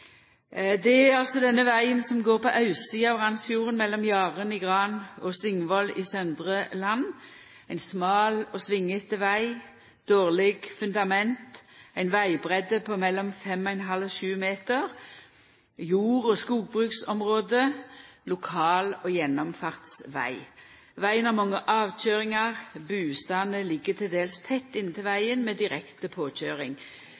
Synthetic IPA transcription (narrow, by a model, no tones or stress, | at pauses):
d̪ɛæʁɑlsɔd̪ɛnːəʋæɪənsɔmɡoːʁpɔʔɑʉsiːɑʋʁɑnsfjuːʁənmɛlːɔmjɑːʁənɪɡʁɑnɔsʋɪŋːʋɔlḭsœnd̪ʁəlɑnː | æɪnsmɑːlɔsʋɪŋːət̪ʋæɪ | d̪̥oːʁlɪɡfʉnd̪ɑmɛnt̪æɪnʋæɪbʁɛd̪əpʰɔmɛlːɔmfɛmɔɛnɦɑlɔʃʉːmeːt̪əʁ | juːʁɔskuːɡ̚bʁʉːksɔmʁoːd̪əlʊkʰɑːloːjɛnːɔmfɑʁt̪sʋæ̰ɪ | ʋæɪənɑʁmɑŋːəʔɑːʋc͡çøːʁɪŋɑʁbʉːst̪ɑnəlɪɡət̪ʰɪld̪eːlst̪ʰɛt̪ːɪnət̪ɪlʋæɪənmeːd̪ɪʁɛkt̪əpʰoːc͡çøːʁɪŋ